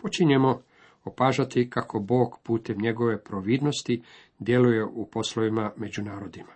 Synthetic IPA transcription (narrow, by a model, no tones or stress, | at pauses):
pot͡ʃiɲemo̞ | opaːʒat̪ikakʰo̞bo̞ːɡpuːt̪e̞mɲe̞ɡo̞ʋe̞pɾoʋiːd̪no̞st̪i | d̪je̞luje̞ʔupo̞sloʋimame̞d͡ʑunaːɾo̞d̪ima